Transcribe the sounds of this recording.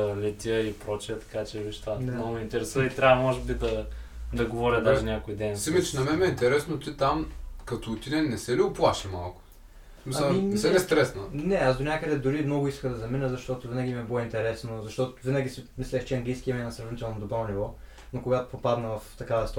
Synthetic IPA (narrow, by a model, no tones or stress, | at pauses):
lʲɛt̪ʲəilpɾɔt͡ʃiət̪ɐ̥kat͡ʃɛviʃt̪ad̪nɡʊmɛint̪ɛɾɛsuvəit̪ɾʲavɐmɔʒɛbid̪ɐd̪ɐɡovɔɾʲəd̪aʒinʲakojd̪ɛnsimɐt͡ʃɛnɐmɛmɛint̪ɛɾɛsnot̪it̪amkɐt̪oːt̪ʲinɛnɛsɛliʊplˠaʃima̰lˠkʊ̥ | misɐmimisɛɛst̪ɾɛsnənɛasd̪onʲakəd̪ɛd̪ʊɾimnɔɡʊiskəd̪ɐzɐminəzɐʃt̪ɔt̪ʊvinɐɡʲimɛbilˠɔint̪ɛɾɛsnozɐʃt̪ɔt̪ʊvinɐɡʲisɛmislʲɛxt͡ʃɛɐŋɡlijsk̟iɐmɛnɐsɾɐvnit̪ɛlˠnod̪obɾɔnivɔ | nokoɡat̪o̥popad̪nəvɐft̪ɐkavɐst̪